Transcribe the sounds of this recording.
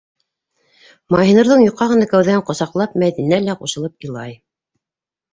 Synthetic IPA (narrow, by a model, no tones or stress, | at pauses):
mɑjinɤ̆ɾðɤɴjoqːɑʁɤ̆nɑkæwðæɴqŏsɑqlˠɑp̚mæðinælæquʃɤ̆lˠɤpɤ̆lˠɑj